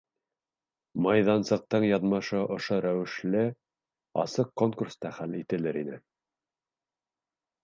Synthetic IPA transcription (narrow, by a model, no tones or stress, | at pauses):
mɑjðɑnsɤ̆q̚t̪ɤɴjɑðmɑʃɤʔŏʃoɾæwɘ̆ʃlɘ | ɑ̰sɤqkːoŋkurst̪ɑχælit̪ɘ̆lɘɾinɘ